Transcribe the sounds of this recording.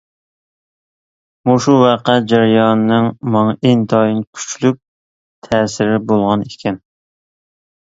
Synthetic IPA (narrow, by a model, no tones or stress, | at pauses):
muʃuwɑqæd͡ʒæɾjɑnnɨŋmɑŋend̪ɑjinkʲʰy̥t͡ʃlyk̚ʲ | t̪ʰɛːsɪɾɪbolˠʁɑnekʲʰɛn